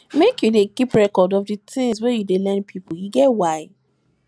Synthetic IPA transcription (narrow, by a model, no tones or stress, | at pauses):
mekjudekipɹɛkɔdɔfdɨtɪ̃ŋswejudelɛ̃npʰipiɡɛwaɪ